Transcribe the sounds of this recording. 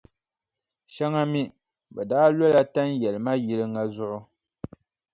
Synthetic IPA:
ʃa˦ŋa˦mi˦ | bɛ˨daː˦lɛ˦la˦ta˦n˦jɛ˨lma˦ji˦lɨ˦ŋa˦˨zʊ˦ʔʊ˦

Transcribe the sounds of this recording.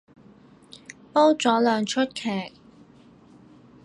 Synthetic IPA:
po˥wt͡sɔː˨˥lœː˨ŋt͡ʃʰɵ˥t̚kʰɛː˨˩k̚

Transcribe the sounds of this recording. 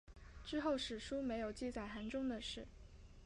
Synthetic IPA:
ʈ͡ʂɻ̩˥xo˥˩ʊʂɻ̩˨˩ʂu˥me˧˥ɪjo˨˩ʊt͡ɕi˥˧t͡sa˥˩ɪxa˧˥nʈ͡ʂʊ˥ŋd̪ə˨ʂɻ̩˥˩

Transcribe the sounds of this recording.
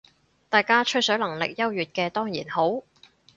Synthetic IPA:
t̪aː˨˧jkaː˥t͡ʃʰɵ˥sœ˨˥lɐ˨˩ŋlɪ̰˨k̚jɐ˥wjyː˨t̚kɛː˧t̪ɔː˥ŋjiː˨˩nho˨˥w

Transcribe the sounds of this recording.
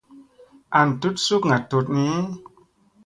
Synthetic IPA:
a˨n˨tu˦t̚su˦kŋa˨to˧t̚ni˦

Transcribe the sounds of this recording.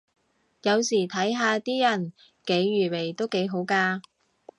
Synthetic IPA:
jɐ˨˧wsiː˨˩t̪ʰɐ˨˥jɦaː˧t̪iː˥jɐ˨˩n | ke˨˥jːyː˨˩we˨˩jt̪o˥wke˨˥jɦo˨˥wkaː˧

